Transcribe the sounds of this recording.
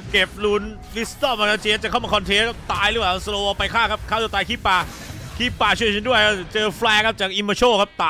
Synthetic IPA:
ke˨˩p̚lu˦˥n | li˦˥st̪ɔː˥˩ma˧na˧˥˩t͡ɕʰiː˧˥t͡ɕa˨˩kʰa˥˩wmaː˧kʰɔ˧nt̪ʰeː˦˥nkʰa˦˥p̚t̪aː˧jɾɯ˦˥waː˧˩˥sloː˧pa˧jkʰaː˥˩kʰa˦˥p̚kʰaː˥˩d̪uː˥˩t̪aː˧jkʰiː˦˥˩pːaː˧ | kʰiː˦˥˩pːaː˧t͡ɕʰɯ˥˩t͡ɕʰi˧ndu˥˩əjkʰa˥˩t͡ɕɤː˧fʰlɛː˧kʰa˦˥p̚t͡ɕaː˨˩k̚ʔi˧moː˧t͡ɕʰo˥˩kʰa˦˥p̚t̪aː˧

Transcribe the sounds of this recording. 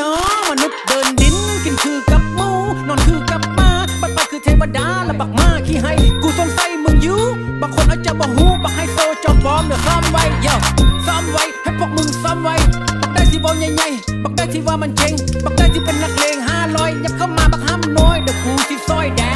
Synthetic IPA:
ɔ˨˦maː˨˩nu˨˧˥p̚ɗəː˨˩nɗi˨˦nkï˨˩ŋ̟t̪ʰɨ˧ka˨˦p̚mu˧nɔ˨˩nt̪ʰɨ˧kə˧˥p̚maː˧ɓa˨˧˩t̚faː˨˧˩t̪ʰɨ˨˧˩t̪ʰe˨˦ma˨˧˩ɗa̰ː˧˥laː˨˩ɓaː˨˩k̚maː˧xi˧ɦa˧jku˧˩sɔ˧nsa˧jmɨ˨˧˩ŋzɨ˧˦wɓaː˨˩k̚xo˨˩nʔəː˧˦t͡ɕɔ˧ɓɔ˧˩wɦu˧ɓaː˨˩k̚ha˧jso˧t͡ɕɔ˧˩nɓɔ˨˧˦lɨ˨˧˩sɔ˧ʔmvə˧˩jzəː˧˩sɔ˧mvə̰˧˨jhʰe˦˥t̚fʰɔ˧˥k̚mɨ˨˩ŋsɔ˧mvə̰˧˨jɓa˨˩k̚ɗaː˧˩t̪ʰi˧ɓɔ˧˨wɲa˨˧˨jɲa˨˧˩jɓa˨˩k̚ɗaː˧˦t̪ʰi˧˨˩vaː˨˩ma˨nt͡ɕə˧ŋɓa˨˩k̚ɗaː˧jt̪ʰi˧˩kə˨˩nla˨˧˩k̚le˨˩ŋɦaː˧lɔ˧˩jɲa˧˩k̚sə˧wmaː˧˩ɓaː˨k̚haː˧mnɔ˧˩jɗɨ˨˩kku˧˦t̪ʰi˧˩sɔ˧jɗɛ˧˩

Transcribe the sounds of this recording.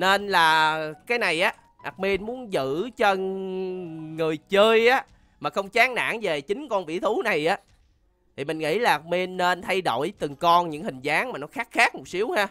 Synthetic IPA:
ne˧nlaː˨˩kaː˨˦jna˨˩jʔaː˨˦ | ʔa̰˨˩mi˧nmu˨˦ənzɨ̰˧˨t͡ɕə˧n | ŋɨ˨˩əjt͡ɕəː˧jʔaː˨˦ | maː˨˩xə˧wŋ͡mt͡ɕaː˨˦ŋna̰ː˧˥ŋve˨˩t͡ɕï˨˦ŋ̟kɔ˧nvḭ˧˥t̪ʰu˨˦na˨˩jʔaː˨˦ | t̪ʰi˨˩mï˨˩ŋ̟ŋḭ˧˥laː˨˩ʔ̚mi˧nːe˧nt̪ʰa˧jɗo̰˧˩jt̪ɨ˨˩ŋkɔ˧nɲɨ̰˧˥ŋhï˨˩ŋ̟zaː˨˦ŋmaː˨˩nɔ˨˦xaː˦˥k̚xaː˦˥k̚mo˨˩t̚si˨˦əwhaː˧

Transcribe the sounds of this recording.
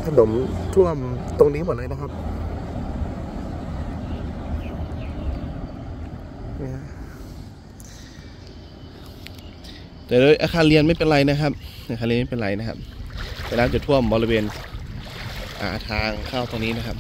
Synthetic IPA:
t̪ʰa˧no˩˦mt̪ʰu˥˩əmt̪o˧ŋniː˦˥mu˨˩˦nlːna˥kʰa˦˥p̚ | aː˧˩ | t̪ɛː˨˩doː˧˩jʔaː˧kʰaː˧nli˧ənma˥˩jpe˧nɾa˧jna˦˥kʰa˦˥p̚a˧kaː˧lma˥˩˨pe˧˨lɾa˧jna˦˥kʰa̰˦˥p̚ɛː˧˩laː˦˥˩t͡ɕa˨˩t̪ʰu˥˩əmbɔː˧ɾi˧weː˧n | ʔa̰ː˨˩t̪ʰaː˧ŋkʰaː˥˩wt̪oː˧ŋniː˦˥na˦˥kʰa˦˥p̚

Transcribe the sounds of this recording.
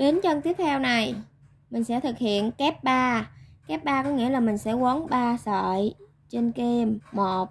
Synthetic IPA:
ɗe˨˦nt͡ɕə˧nt̪i˦˥əp̚t̪ʰɛ˧wna˨˩j | mï˨˩ŋ̟sɛ̰˧˥t̪ʰɨ˨˩k̚hḭ˧˨ənkɛ˦˥p̚ɓaː˧kɛ˦˥p̚ɓaː˧kɔ˨˦ŋḭ˧˥əlaː˨˩mï˨˩ŋ̟sɛ̰˧˥wə˨˦nɓaː˧sə̰ː˧˨j | t͡ɕe˧nke˧mːo˨˩t̚

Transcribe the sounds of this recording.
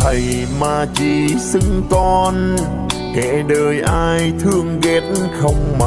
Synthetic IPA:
t̪ʰə˨˩j | maː˨˩t͡ɕi˧˨˩sɨ˧ŋkɔ˧n | kɛ̰˧˥ɗəː˨˩jʔaː˧jt̪ʰɨ˧əŋɣɛ˨˥t̚nxə˧wŋ͡mma˧˩

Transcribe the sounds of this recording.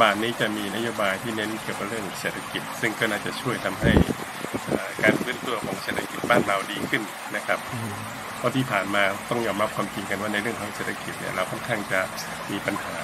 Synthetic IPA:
baː˨˩nniː˦˥t͡ɕa˨˩miː˧na˦˥joː˧baː˧jt̪ʰiː˥˩ne˦˥nki˨˩əka˨˩ɾɯ˥˩əŋseː˨˩t̪ʰːa˧ki˨˩t̪̚sɯ˥˩ŋkɔː˥˩naː˥˩t͡ɕa˨˩t͡ɕʰu˥˩əjt̪ʰa˧mɦa˥˩j | ʔaː˨˩kaː˧nfɯː˦˥nt̪u˧ɐkʰɔː˩˦ŋse˨˩t̪ʰa˧ki˨˩t̪̚baː˥˩nɾa˧wdiː˧kʰɯ˥˩n | na˦˥kʰa˦˥p̚ | pʰɔ˦˥t̪ʰiː˥˩pʰaː˨˩nmaː˧t̪ɔ˥˩ŋjɔː˧mɾa˦˥p̚kʰwaː˧mt͡ɕi˧ŋka˧nwaː˥˩na˧jɾɯ˥˩əŋkʰɔː˨˥˦ŋseː˨˩t̪ʰa˧ki˨˩t̪̚nḭ˦˥˩ɐɾa˧wkʰɔ˥˩nkʰaː˥˩ŋt͡ɕa˨˩ | miː˧pa˧nhaː˩˦

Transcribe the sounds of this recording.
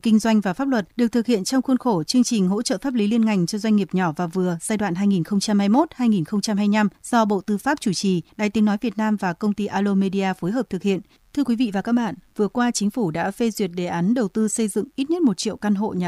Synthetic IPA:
kï˧ŋ̟zwa˧jŋ̟vaː˨˩fa˦˥p̚lwə˨˩t̚ɗɨ˨˩ək̚t̪ʰɨ˨˩k̚hḭ˧˨ənt͡ɕɔ˧wŋ͡mxwnxo˧˩t͡ɕɨ˧əŋt͡ɕï˨˩ŋ̟ɦo̰˧˥t͡ɕə̰˧˨faː˦˥p̚li˨˦li˧ənŋa˨˩jŋ̟t͡ɕɔ˧zwa˧jŋ̟ŋi˨˩əp̚ɲɔ˧˩vaː˨˩vɨ˨˩əz̥aː˧jɗwa̰ː˧˨nɦaː˧jŋi˨˩nxə˧wŋ͡mt͡ɕa˧mhaː˧jmo˦˥t̚haː˧jŋi˨˩nxə˧wŋ͡mt͡ɕa˧mɦaː˧jɲa˧mz̥ɔ˧ɓo̰˧˨t̪ɨ˧faː˦˥p̚t͡ɕu˧˩t͡ɕi˨˩ɗa̰ː˧˨jt̪i˨˦ənɔ˨˦jvi˨˩ət̚naː˧mvaː˨˩kə˧wŋ͡mt̪i˧ʔaː˧lo˧me˧ɗi˧aː˧fo˨˦jɦəː˨˩p̚t̪ɨ˨˩k̚hḭ˧˨ən | t̪ʰɨ˧əkwi˨˦vḭ˧˨vaː˨˩kaː˦˥k̚ɓa̰ː˧˨nvɨ˨˩əkwaː˧t͡ɕï˨˦ŋ̟fu˧˩ɗa̰ː˧˥fe˧zwi˨˩ət̚ɗe˨˩ʔaː˨˦nɗə˨˩wt̪ɨ˧sə˧jzɨ̰˧˨ŋʔi˦˥t̚ɲə˦˥t̚mo˨˩t̚t͡ɕḭ˧˨ə˨wka˧nɦo̰˧˨ɲa˨˩

